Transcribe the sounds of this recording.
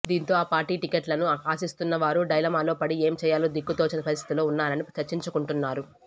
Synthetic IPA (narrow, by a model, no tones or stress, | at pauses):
d̪iːnt̪o̞ːaːpaːɾʈiːʈikeʈlɐnuaːsist̪unːɐʋaːɾuɖɐjlɐmaːloːpɐɽie̞ːmt͡ʃɛːjaːlod̪ikːut̪oːt͡ʃinɐpɐɾist̪ʰi̥t̪ilo̞ːunːaːɾɐnit͡ʃɐɾt͡ʃːiɲt͡ʃukuɳʈunːaːɾu